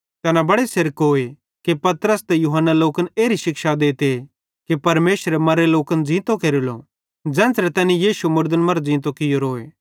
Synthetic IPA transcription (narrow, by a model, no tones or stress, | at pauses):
t̪ɛːnabɐɽesɪɾəkɦoːe | kepɐt̪ɾəst̪ɛjuɦənːaloːkəneːɾiʃɪkʃad̪eːt̪e | kipɐɾmeːʃɾemɐɾeloːkənd͡zĩːt̪okeɾilo̰ | d͡ʒɛ̃ːnsɾet̪ɛːnĩjiːʃumʊɾd̪ənmɐɾd͡zĩːt̪̬okɪjoɾoːeː